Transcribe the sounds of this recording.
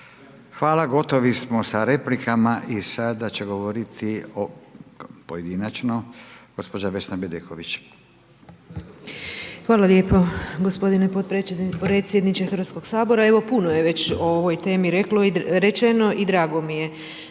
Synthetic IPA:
xʋaːlaɡo̞t̪oʋismosaɾe̞plikamaʔisad̪at͡ɕeɡoʋoɾit̪ʰio | pojed̪inat͡ʃnoɡ̥o̞spod͡ʒaʋesnabed̪ekʰoʋit͡ʃ | xʋaːlaljeːpoɡo̞spo̞d̪inepot̪ppɾet̪sje̞d̪nit͡ʃexɾʋat̪sko̞ɡ̥saːbo̞ɾae̞ʋo̞punojeʋe̞t͡ɕooʋojt̪e̞ːmiɾe̞klo̞iɾe̞t͡ʃeno̞ʔid̪ɾaːɡo̞mije̞

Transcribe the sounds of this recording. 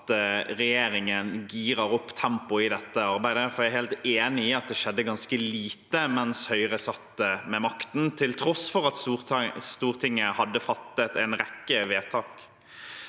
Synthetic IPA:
t̪ʁɛjeːɾɪŋənɡiːɾəɾɔpːt̪ʰɛmpʊɪd̪ɛt̪ːəɑɾbæɪd̪əfɔɾjæɪheːlt̪eːnɪɪɑt̪̚d̪ɛʃɛd̪ːəɡɑnskəliːt̪əmɛnshœʏʁəsɑt̪ːəmɛmɑkt̪n̩t̪ʰɪlt̪ʰɾɔsfɔʁɑt̪sst̪uːʁt̪ʰɪŋːəhɑd̪ːəfɑt̪ːət̪ɛɪnɾɛkːəʋeːt̪ʰɑːk

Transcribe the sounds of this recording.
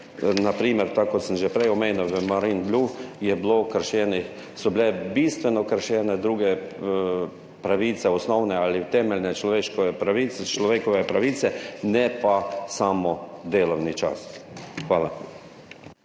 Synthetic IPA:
napɾiːməɾt̪akɔt̪səmʒɛpɾɛjɔmeːnuwʋəmaɾinblʲujɛblokəɾʃjɛːnix | sɔbɪlɛbiːst̪ʋɛnɔkəɾʃjɛːnɛd̪ɾuːɡɛ | pɾaʋiːt̪sɛɔsnɔwnɛaːlit̪ɛmɛlʲnɛt͡ʃlɔʋeːʃkɔʋɛpɾaʋiːsɛt͡ʃlɔʋeːkɔʋɛpɾaʋiːt̪sɛnɛpasaːmɔd̪eːlɔwnit͡ʃa̰sxʋaːla

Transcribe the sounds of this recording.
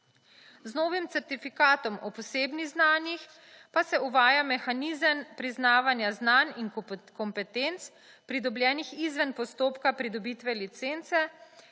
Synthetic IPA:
znɔːʋimt̪sɛɾt̪ifikaːt̪ɔmɔpɔseːbniɣznaːnjix | pasɛuʋaːjamɛxaniːzəmpɾiznaːʋanjaznaninkɔmpɛt̪ent̪s | pɾid̪ɔblʲjɛːnixizʋɛnpɔst̪oːpkapɾid̪ɔbiːt̪ʋɛlit̪sent̪sɛ

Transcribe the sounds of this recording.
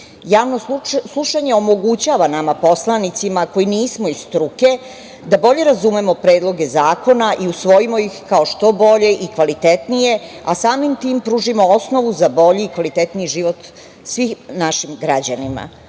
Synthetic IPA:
jaːʋnoslˠuʃaɲe̞omo̞ɡut͡ɕaːʋanamapo̞slˠanit̪simako̞jiniːsmo̞izst̪ɾuke̞ | d̪abo̞ʎe̞ɾazumemo̞pɾe̞ːd̪lˠo̞ɡe̞zaːko̞naʔiusʋo̞jimo̞ixkao̞ʃt̪o̞bo̞ʎe̞ʔikʋalit̪et̪nije̞asaːmimt̪iːmpɾuːʒimo̞osno̞ʋuzabo̞ʎiːkʋalit̪et̪niiʒiʋo̞t̪ | sʋixnaʃimɡɾad͡ʑanima̰

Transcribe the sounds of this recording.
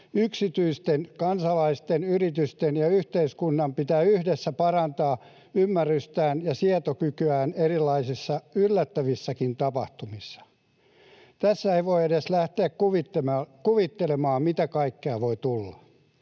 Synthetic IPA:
yksit̪yist̪enkɑnsɑlɑist̪enyrit̪yst̪enjɑyht̪eiskunːɑmpit̪æːyhdesːæpɑrɑnt̪ɑː | ymːærːyst̪æːnjɑsiɑt̪okykyæːnerilːˑɑisisːɑylːæt̪ːæʋisːækint̪ɑpɑ̰ht̪umisːɑ̥ | t̪æsːæeiʋoiedeslæht̪eækkuʋit̪emːkuʋit̪ːelemɑːmmit̪ækɑikːeɑʋoit̪ulːɑ

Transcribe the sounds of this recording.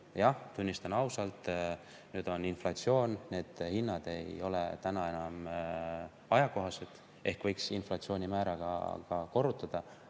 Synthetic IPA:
jɑht̪unʲːist̪ɑnɑwsɑlt̪ˑ | nyːd̪̥o̞ninflɑtsio̞ːnne̞ːd̪̥hinːɑd̪̥e̞jo̞le̞̰t̪ænɑe̞nɑm | ɑjɑko̞ɦɑset̪ˑ | ʔe̞hkvɤ̞jksinflɑtsioːnʲimæːɾɑɡ̥ɑ̰kɑko̞rːut̪ːˑɑd̪̥ɑ

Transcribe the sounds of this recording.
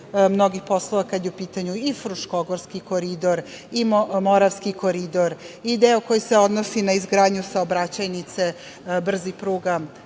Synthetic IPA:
mno̞ɡixpo̞slˠoʋakad̪jeupiːt̪aɲuifɾuʃko̞ɡoɾskiko̞ɾid̪o̞ɾimoɾaʋskiko̞ɾid̪o̞ɾid̪eoko̞jiseo̞d̪no̞sinaizɡɾaːd̪ɲusaobɾat͡ɕajnit̪se̞ | br̩zipɾuːɡa

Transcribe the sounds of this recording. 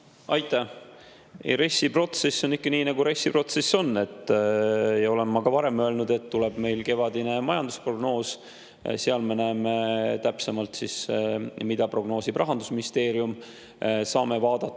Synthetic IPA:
ɑjt̪ːˑæ | ɾe̞sːipro̞t̪se̞sːo̞nikːɑniːnɑɡuɾe̞sʲːipro̞t̪se̞sːo̞nːe̞t̪ːˑ | jɑo̞le̞mːɑɡ̥ɑvɑɾe̞mø̞ːlnud̪̥e̞t̪ːule̞b̥me̞jlke̞vɑd̪ine̞mɑjɑnd̪uspro̞ɡno̞ːs | seɑlmenæːmet̪æpsemɑlt̪sismid̪̥ɑpro̞ɡ̥no̞ːsibrɑɦɑnd̪usminist̪e̞ːɾijum | sɑːmevɑːd̪̥ɑt̪ːˑ

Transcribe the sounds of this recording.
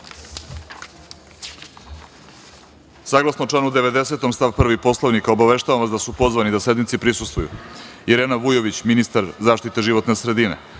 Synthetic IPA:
saɡlˠasnot͡ʃlanud̪eʋe̞d̪ese̞t̪o̞mst̪aʋpr̩ʋipo̞slˠaʋnikaobaʋe̞ʃt̪aʋamʋasd̪asupozʋanid̪ase̞d̪nit̪sipɾisust̪vujṵiɾeːnaʋujo̞ʋit͡ɕminist̪aɾzaːʃt̪it̪e̞ʒiʋo̞t̪nesɾe̞d̪ine̞̰

